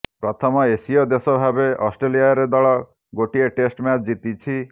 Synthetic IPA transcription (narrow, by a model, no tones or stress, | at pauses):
pɾɔt̪ʰɔmɔesijɔd̪esɔbʱabeʔɔsʈɾelijaɾed̪ɔɭɔ | ɡoʈieʈesʈmat͡ʃd͡ʒit̪it͡ʃʰi